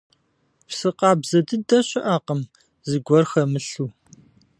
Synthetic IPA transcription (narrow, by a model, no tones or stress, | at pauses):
psɨqɑːbzɐdɨdɐɕɪʔaːqəm | zɨɡʷɔrxɐmɨɬuː